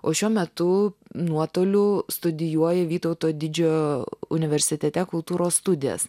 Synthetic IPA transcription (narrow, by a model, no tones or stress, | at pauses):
oːʃʲuɔmʲɛt̪ʊnuɔt̪oːlʲʊst̪ʊd̪ʲɪjuɔjɛʋʲiːt̪ɔʊt̪oːd̪ʲɪd͡ʒʲoʊnʲɪʋʲɛɾʲsʲɪt̪ʲɛt̪ʲɛkʊlˠt̪uːɾoːsst̪ʊd̪ʲɪjɛ̰s